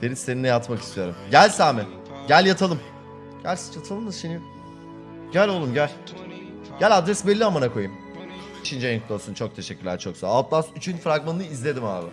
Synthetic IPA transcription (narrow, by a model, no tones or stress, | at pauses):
d̪̥eɾisːeninːɛjat̪maki̥st̪ʰijo̞ɾumɟælʲsaːmɛ | ɟælʲjat̪ʰalˠɯm | ɟ̥ælʲsi̥t͡ʃʰat̪ʰalˠɯnɯzʃini | ɟ̥ælʲo̞lˠumɟælʲ | ɟ̥ælʲad̪ɾɛsbɛlʲːiamanakʰo̞jɯm | iʃind͡ʒanklˠojoɾsunt͡ʃʰo̞k̚t̪ʰe̞ʃɛcʲːyɾlʲæɾt͡ʃʰo̞ksa̰alˠt̪lasyt͡ʃʰynfɾaɡmannɯizlʲe̞d̪ima̰ːbɪ